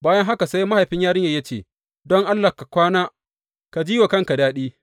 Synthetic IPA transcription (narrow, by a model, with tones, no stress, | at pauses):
baː˦jɐ˦ŋɦa˦ka˨sa˦jma˦ha˨ɸɪ˦ɲjaː˦ɾɪ˦jaː˨jɐ˦t͡ʃeː˨ | dɔ˦ŋʔa˦lːa˨ka˨kʷaː˦naː˦ | ka˨d͡ʒiː˦wa˨kɐ˦ŋka˨daː˦ɗiː˦